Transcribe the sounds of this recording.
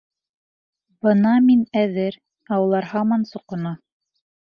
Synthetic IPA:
bɤnɑminæðɘɾ | ɑwɤ̆lˠɑɾhɑmɑnsŏqŏnɑ

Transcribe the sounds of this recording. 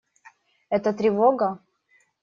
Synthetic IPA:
ɛt̪ət̪ɾʲɪvoɡə

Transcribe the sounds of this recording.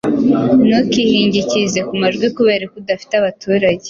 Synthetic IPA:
nokihiːɲɟicizekumaʒɡwikuβeːɾekudafi̥teaβatʰuːɾaɟe

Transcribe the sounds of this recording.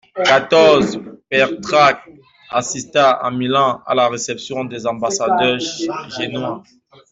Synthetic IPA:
kat̪ɔʁzpɛʁt̪χak̚ | asist̪aa̰milɑ̃a̰laʁesɛpsjɔ̃d̪ɛzɑ̃basad̪œʒenwã

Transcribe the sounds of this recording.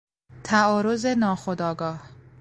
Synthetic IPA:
t̪ʰæɒːɾozenɒːxod̪ɒːɡɒːh

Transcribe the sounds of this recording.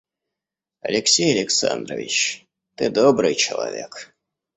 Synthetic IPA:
ɐlʲɪksʲejɐlʲɪksa̰nd̪rəvʲɪt͡ɕ | t̪ɨd̪obɾɨjt͡ɕɪlˠa̰vʲek

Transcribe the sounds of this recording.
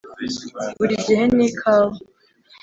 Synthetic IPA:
buɾiɟihenikʰaːwo

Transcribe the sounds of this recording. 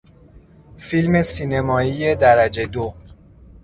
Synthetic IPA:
filme̞siːne̞mɒːiːjed̪æɾæd͡ʒe̞d̪o

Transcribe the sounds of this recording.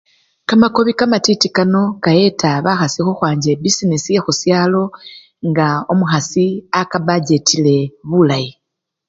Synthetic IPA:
kamako̞βikamatitikano̞kaje̞tʰaβaxasixuxwaːɲɟe̞bisinesije̞xusjalo̞ | ŋɡaomuxasiakaβaɟe̞tʰile̞βulaji

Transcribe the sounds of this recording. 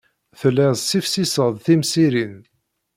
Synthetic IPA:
θəlæzˤsifsisəðˤθimsiɾin

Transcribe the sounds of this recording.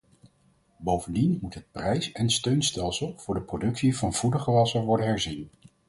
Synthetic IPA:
bowvəndinmutɦət̚prɛjsɛnstøɥnstɛlˠsəlˠv̥ʊːɹdəprodɵksivɑnv̥udəχəʋɑsəʋɔɹdənɦɛɹzin

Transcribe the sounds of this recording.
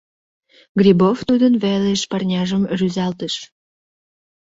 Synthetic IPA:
ɡrʲiboft̪ud̪ənβeleʃpɑrnʲɑʒəmryzɑlt̪əʃ

